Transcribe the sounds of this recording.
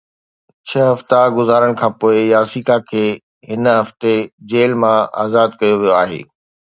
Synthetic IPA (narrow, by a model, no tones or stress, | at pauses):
t͡ɕʰɐɦɐft̪aɡʊzaːɾəɽ̃kʰãːpoːɪjaːsiːkakʰeː | ɦɪnɦɐft̪ed͡ʑeːlmãa̰ːzaːd̪kɐjoʋijoaːɦḛː